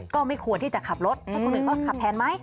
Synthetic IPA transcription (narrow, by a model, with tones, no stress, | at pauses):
kɔː˥˩ma˥˩jkʰu˧ənt̪ʰiː˥˩t͡ɕa˨˩kʰa˨˩p̚ɾo˦˥t̪̚ːaː˥˩kɔː˥˩lɯ˧˦t̪ɔ˥˩ŋkʰa˨˩ppʰːɛː˨˦nma˦˥j